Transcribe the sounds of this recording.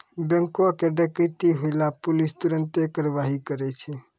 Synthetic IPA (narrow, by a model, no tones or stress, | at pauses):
bə̃ŋkwakeɖəkət̪iɦoɪlapulist̪uɾənt̪ekəɾʋaɦikəɾɛt͡ʃʰɛ